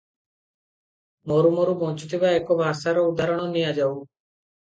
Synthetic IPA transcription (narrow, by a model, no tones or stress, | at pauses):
moːɾuːmoːɾuːpoːt͡ʃt̪iːʋaːeːkoːʋaːsaːɾoːʊd̪aːɾəɳ̃õːnĩːaːd͡ʒaːuː